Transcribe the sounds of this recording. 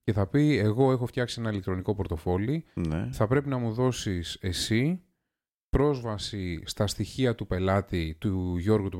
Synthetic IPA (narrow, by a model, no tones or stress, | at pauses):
ce̞θɐpie̞ɣo̞e̞xo̞ft̪çɐksie̞nɐilekt̪ɾo̞niko̞poɾt̪o̞fo̞lineθɐpɾe̞pinɐmuðo̞sise̞si | pɾo̞zvɐsist̪ɐst̪içiɐt̪upe̞lɐt̪it̪uʝo̞ɾɣut̪u